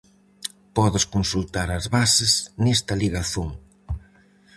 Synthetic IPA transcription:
pɔðʊskonsult̪aɾɐzβasɪznest̪ɐliɣaθoŋ

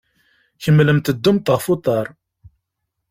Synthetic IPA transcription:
çəmːləmt̪əd̪ːumt̪əʁfut̪ˤɑɾˤ

